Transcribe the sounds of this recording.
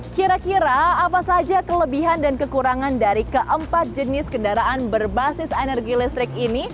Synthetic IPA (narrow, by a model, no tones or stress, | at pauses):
kiɾakiɾaːpasad͡ʒakələbiɦandankəkuɾaŋandaɾikəʔəmpat̪̚d͡ʒənɪskəndaɾaʔanbərbasɪsenɛrɡilɛst̪ɾɪkini